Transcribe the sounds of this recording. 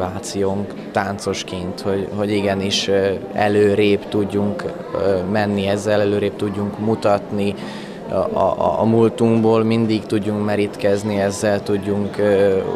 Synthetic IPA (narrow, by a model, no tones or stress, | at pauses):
aːt̪sijoːŋ | t̪aːnt̪so̞ʃkeːnt̪ho̞ɟho̞ɟiɡɛniʃɛ̰løːɾeːpt̪uɟːuŋk | mɛnːiɛzːɛlɛløːɾeːp̚t̪uɟːuŋkmut̪ɒt̪ni | mult̪uŋɡboːlmind̪ikt̪uɟːuŋkmɛɾit̪kɛzniɛzːɛlt̪uɟːuŋk